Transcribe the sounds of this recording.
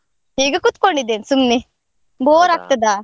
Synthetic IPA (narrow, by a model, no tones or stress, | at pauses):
ɦiːɡɐkut̪koɳɖid̪ːeːnisumni | boːɾaːk̚t̪ɐd̪aː